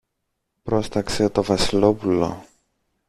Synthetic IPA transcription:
pɾo̞st̪ɐkse̞t̪o̞vɐsilo̞pulo̞̰

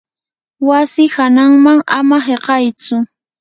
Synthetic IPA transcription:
wasɪhanaŋmaŋamaheqɑjt͡sʊ

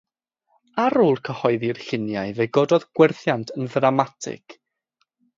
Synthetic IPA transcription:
aɾuːlˠkʰəhɔɨðirɬɪnjajveɡɔdɔðɡ̥wɛrθjantʰənðramatʰɪ̰k

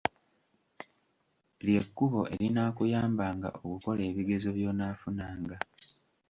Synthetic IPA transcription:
lje̞kːuβo̞ʔe̞ɾinaːkujaːmbaːŋɡa̰ʔokuko̞le̞ːβiɡe̞zo̞βjo̞ːnaːfunaːŋɡa

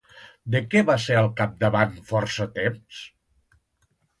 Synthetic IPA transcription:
d̪əkɛβaseɾəlˠkap̚d̪əβanfɔɾsət̪ems

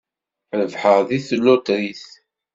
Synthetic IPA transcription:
ðəvħəʁðiθəlːʊt̪ɾiθ

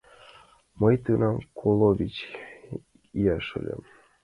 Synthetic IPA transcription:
mɤjt̪ɨnɑmkʰolˠovʲit͡ɕ | ijɑʃə̰̆lʲə̰m

